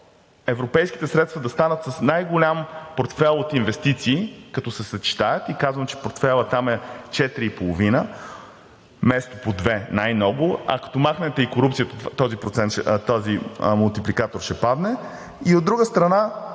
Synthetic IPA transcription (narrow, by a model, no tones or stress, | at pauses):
ɛvɾopɛjsk̟i̥t̪ɛsɾɛt̪st̪vɐd̪ɐst̪anət̪sɐsnajɡolʲampoɾt̪fɛlˠot̪invɛst̪it̪siːkɐt̪ɔsɛsɐt͡ʃi̥t̪ajət̪ikazvəmt͡ʃɛ̥poɾt̪fɛlˠət̪amɛt͡ʃɛt̪ɾiːpolˠovinə | mɛst̪opod̪vɛnajmnɔɡʊɐ̰kɐ̥t̪ɔmaxnɛt̪ɛikoɾupt̪siət̪ət̪t̪ɔzipɾot̪sɛnt̪ʃɛt̪ɔzimulˠt̪iplikat̪oɾʃɛpad̪nɛ | iod̪ːɾuɡəst̪ɾɐna